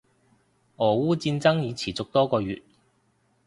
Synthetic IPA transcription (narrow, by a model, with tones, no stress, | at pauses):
ʔɔː˨˩wuː˥t͡siː˧nt͡sɐ˥ŋjiː˨˧t͡sʰiː˨˩t͡sʊ˨k̚t̪ɔː˥kɔː˧ɥyː˨˩t̚